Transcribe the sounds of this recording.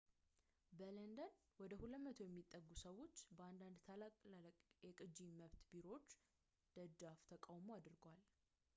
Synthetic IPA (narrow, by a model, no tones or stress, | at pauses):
bələnd̪ən | wɔd̪əhuləmət̪ʰojɛmːit̪ʼːəɡːusəwo̞t͡ʃːbəand̪and̪t̪ʰalakʼlʼjɛkʼɨd͡ʒiməβt̪biɾo̞t͡ʃː | d̪̥əd͡ʒaft̪ʰəkʼawmoad̪ɾɨɡwal